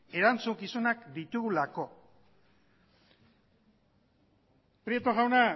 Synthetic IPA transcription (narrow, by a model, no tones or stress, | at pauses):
e̞ɾant͡suŋkisunakd̪it̪uɣulako̞ | pɾiet̪oɣawna